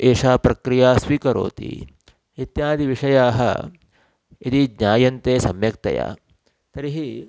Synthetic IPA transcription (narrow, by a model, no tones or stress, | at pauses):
eːʂaːpɾɐkɾijaːsʋikɐɾo̰ːt̪ḭ | it̪jaːd̪ʱiʋiʂɐjaːɦɐ̰ | ɐd̪id̪ɲaːjɐnt̪eːsɐmjɐk̚t̪ɐ̰ja̰ː | t̪ɐɾiɦi